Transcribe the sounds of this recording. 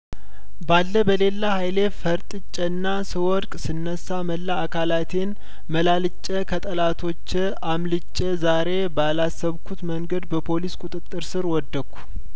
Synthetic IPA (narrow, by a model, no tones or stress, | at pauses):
balːəbəle̞lːahajle̞fəɾt̪ʼɨt͡ʃʼːənːasɨwɔɾkʼsɨnːəsːaməlːaːkʰalat̪ʰe̞n | məlalɨt͡ʃʼːəkʰət̪ʼəlat̪ʰo̞t͡ʃː | amlɨt͡ʃʼːəzaɾe̞bəalasːəβkʰut̪məŋɡəd̪bəpʰo̞liskʼut̪ʼɨt̪ʼːɨɾsɨɾwɔd̪ːəkʰʷːu̥